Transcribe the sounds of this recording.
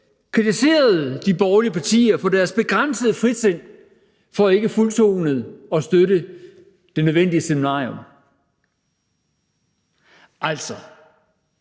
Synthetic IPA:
kʰʁit͡sʰise̝̰ːɐð̞̩ˠd̥ib̥ɒːliəpʰɑ̈t͡sʰḭːɐfɒ̽d̥æɐsb̥e̝ɡ̥ʁan̰səðˠfʁid̥sen̰ | fɒ̽æe̝ɡ̥əfult͡sʰo̝ːnəð̩ˠɒ̽sd̥øɾə | d̥e̝nøð̞ˠʋen̰d̥iəseminɑ̰̈ːom | ʔæl̰sɒ̽

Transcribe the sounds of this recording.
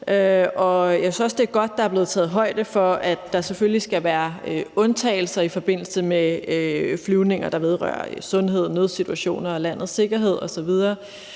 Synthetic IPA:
øɒ̽jæsysɒ̽sd̥e̝ɡ̥ɒ̽d̥̚ːɑ̈æɐble̝ːð̞̩ˠt͡sʰɛ̰ːð̩ˠɦɒ̽ɪ̰d̥əfɒ̽ʔæd̥ːɑ̈seføllisɡ̥æʋæːɐøɔ̽nt͡sʰɛ̰ːɪl̩sɐifɒ̽b̥e̝n̰l̩səme | flyʊne̝ŋ̰ɐd̥ɑ̈ʋe̝ð̞ˠʁɶ̰ːɐ̰sɔ̽nɦe̝ð̞̰ˠnøð̞ˠsit͡sʰuæɕo̝̰ːnɐ̽ːlæn̰ð̩ˠse̝ɡ̥ɐɦe̝ð̞̰ˠɒ̽sɒ̽ʋið̞ˠɐː

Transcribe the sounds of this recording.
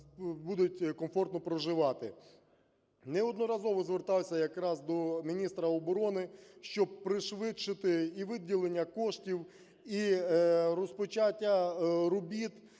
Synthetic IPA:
bud̪ʊt̚ʲkɔmfɔrt̪nɔpɾɔʒɪʋɑt̪ɪ | nɛɔd̪nɔɾɐzɔʋɔzʋert̪ɑwsʲɐjɐkɾɑzd̪ɔmʲinʲist̪ɾɐɔbɔɾɔnɪʃt͡ʃɔb̚pɾɪʃʋɪt͡ʃːɪt̪ɪiʋɪdʲilˠenʲːɐkɔʃtʲiw | i | ɾɔspɔt͡ʃatʲːɐɾɔbʲit̪

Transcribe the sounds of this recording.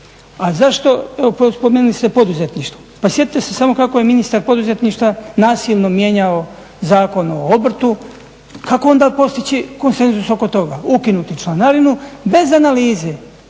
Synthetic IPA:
azaʃt̪o̞eʋopospomeːnulist̪epo̞d̪uzet̪niʃt̪ʋopasjei̥t̪esesamo̞kakoje̞minist̪aɾpo̞d̪uze̞t̪niʃt̪ʋanaːsilˠno̞mje̞ɲao | zaːko̞noobr̩t̪u | kako̞o̞nd̪apo̞st̪it͡ɕiko̞nse̞nzuso̞ko̞t̪o̞ɡaukinut̪it͡ʃlanaɾinube̞zanaliːze

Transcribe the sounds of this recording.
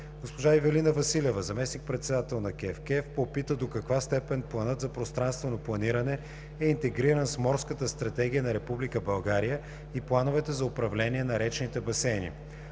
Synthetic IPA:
ɡ̥ospoʒaivɛlinəvɐsilʲɛvəzɐmɛsnik̚pɾɛt̪sɛd̪at̪ɛlˠnɐkʲɛfkɛfpopit̪əd̪okɐkvast̪ɛpɛnplˠɐnɤt̪zɐpɾost̪ɾanst̪vɛnoplˠɐniɾɐnɛ | ɛint̪ɛɡɾiɾənsmɔɾskət̪əst̪ɾɐt̪ɛɡ̟ʲijənɐɾɛpublikəbɐlˠɡaɾijə | iplˠanʊvɛt̪ɛzɐʊpɾɐvlɛniɛnɐɾɛt͡ʃnit̪ɛbɐsɛnʲḭ

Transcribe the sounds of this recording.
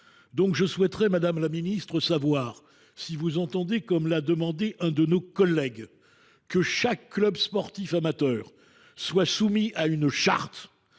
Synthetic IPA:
d̪ɔ̃kʒəswɛt̪ʁɛmad̪amlaminist̪χəsavwaːʁ | sivuzɑ̃t̪ɑ̃d̪ekɔmlad̪əmɑ̃d̪eʔɛ̃d̪ənokɔlːɛɡ | kəʃakːlœbspɔʁt̪ifamat̪œːʁ | swasumiaynʃa̰ʁt̪

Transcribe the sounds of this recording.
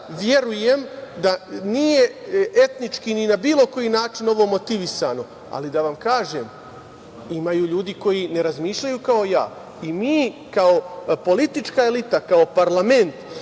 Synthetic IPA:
ʋje̞ɾuje̞md̪anije̞ʔe̞t̪nit͡ʂkininabiːlo̞ko̞jinaːt͡ʂino̞ʋo̞mo̞t̪iʋisano̞ | a̰lid̪aʋamkaːʒem | imajuʎuːd̪iko̞jine̞ɾazmiːʃʎajukao̞ja̰ː | imiːkao̞po̞lit̪it͡ʂkae̞lit̪akao̞paɾlˠame̞nt̪

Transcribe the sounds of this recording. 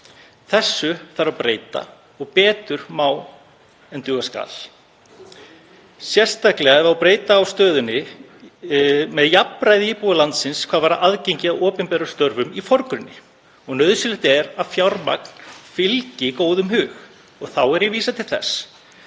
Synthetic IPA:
θɛsːʏθaɾapɾeːjt̪a̰ | ɔɣpɛːt̪ʏɾmaːw | ɛnt̪ʏːɣaska̰ːl | sjɛr̥st̪aklɛɣaɛvawpɾeːjt̪aːwst̪œːðʏnːɪ | mɛðjapɾajðɪiːpuðalant̪sɪnskʰvaːðvaːɾaʔaðcejɲcɪaðɔːpɛnpɛːɾʏst̪œɾvʏmifɔɾkɾʏnːɪ̰ | ɔɣnœðsɪlɪht̪ɛɾaðfjawɾma̰k̚n̥fɪlcɪkoːwðʏmɦʏːx | ɔɣθawɛɾjɛviːsat̪ʰɪlθɛ̰s

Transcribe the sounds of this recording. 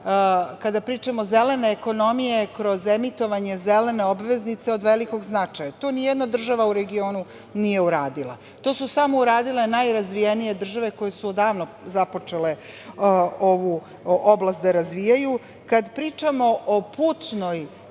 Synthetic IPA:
kad̪apɾiːt͡ʂamoze̞le̞ne̞ːko̞no̞mije̞kɾo̞ze̞mit̪o̞ʋaɲe̞zele̞ne̞obʋe̞znit̪se̞o̞d̪ʋeliko̞ɡznat͡ʂajat̪o̞ːnijed̪nad̪r̩ʒaʋauɾe̞ɡio̞ːnu | nije̞uɾaːd̪ilˠa̰ | t̪o̞ːsusamo̞uɾaːd̪ile̞najɾazʋijenije̞d̪r̩ʒaʋe̞ko̞je̞suod̪aːʋno | zapo̞t͡ʂe̞le̞ | o̞ʋu | ʔoblˠast̪d̪aɾazʋijaju | kad̪pɾiːt͡ʂamo̞ʔopuːt̪no̞j

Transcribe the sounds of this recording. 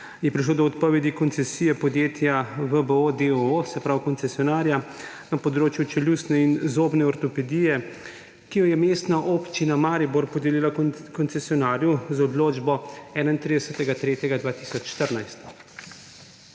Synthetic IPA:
jɛpɾiʃ̬loːd̪ɔːt̪pɔʋed̪ikɔnt̪sɛsijɛpɔd̪jeːt̪jaʋəbəod̪eoosɛpɾawkɔnsɛsiɔnaːɾja | napɔd̪ɾoːt͡ʃjut͡ʃɛlʲjust̪nɛinzoːbnɛɔɾt̪ɔpɛd̪ijɛ | kijɔjɛmeːst̪naʔopt͡ʃinamaːɾiboɾpɔd̪elilakɔnsɛsiɔnaːɾjuzɔd̪loːd͡ʒbɔɛːnaint̪ɾid̪ɛsət̪ɛɡat̪ɾeːt̪jɛɡad̪vʋaːt̪isɔt͡ʃʃt̪əɾnajst̪

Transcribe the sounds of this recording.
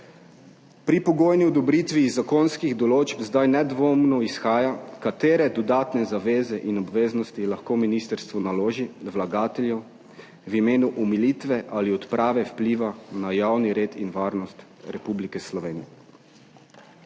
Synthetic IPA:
pɾipɔɡoːjniɔd̪ɔbɾiːt̪ʋiːzːakonskiɣd̪ɔloːd͡ʒpzd̪ajnɛd̪ʋoːmnɔisxaːjakat̪eːɾɛd̪ɔd̪aːt̪nɛzaʋeːzɛʔinɔbʋeːznɔst̪ilaxkoːminiːst̪əɾst̪ʋɔnaloːʒiwlaɡaːt̪ɛljɛ | wimeːnuʔumilit̪ʋɛʔaliɔt̪pɾʔaːʋɛwpliːʋanajawniɾeːt̪inʋaːɾnɔst̪ɾɛpublikɛslɔʋeːnijɛ

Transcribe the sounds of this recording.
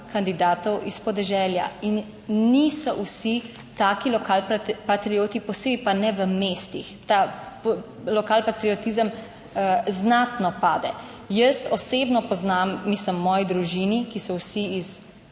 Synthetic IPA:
kand̪id̪aːt̪ɔwispɔd̪ɛʒɛːlja̰inː | iːsɔʔwsi | t̪aːkilɔkalpat̪ɾioːt̪ipɔseːbipanɛʋəmeːst̪ixt̪a | lɔkaːlpat̪ɾiɔt̪izəm | znaːt̪nɔpaːd̪ɛ | jəst̪ɔseːbnɔpɔznamːisləmːɔːjid̪ɾuʒinikisɔwsiis

